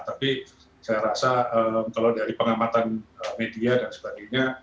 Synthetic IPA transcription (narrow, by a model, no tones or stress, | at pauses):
t̪api | sajaɾasaəmkalawdaɾipəŋamat̪anəmediadansə̥baɡajɲa